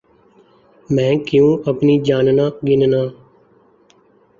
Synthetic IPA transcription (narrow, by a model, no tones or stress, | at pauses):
mɛ̃ːkɪjũːʔəpniːd͡ʒaːnnaːɡɪnnaː